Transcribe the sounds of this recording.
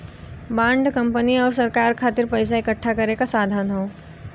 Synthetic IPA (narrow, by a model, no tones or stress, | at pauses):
bãːɳɖkɐ̃mpəniɔːɾsɐɾkaːɾkʰaːt̪ɪɾpɐɪs̬aɪkəʈʰːakɐɾekasaːd̪ʱaːnɦõː